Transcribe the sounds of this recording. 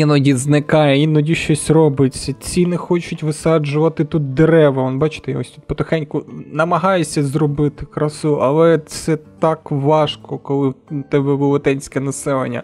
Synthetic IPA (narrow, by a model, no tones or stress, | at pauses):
inɔdʲiznɪkɑjɛinɔdʲiʃt͡ʃɔsʲrɔbɪt͡sʲːɐt͡sʲinɪxɔt͡ʃʊtʲʋɪsɑd͡ʒʊʋɐt̪ɪt̪ut̪̚d̪eɾɛʋɐʋɔnbɑt͡ʃɪ̥t̪ɛjɐɦɔsʲut̪pɔt̪ɪxɛnʲkʊnɐmɐɦɑjesʲɐzrɔbɪt̪ɪkɾɐsuʔɐlˠɛt̪sɛt̪ɑkʋɑʃkɔkɔlˠɪt̪ɛbɛʋʊlˠɔt̪ɛnʲsʲkɛnɐsɛlˠḛnʲːɐ̰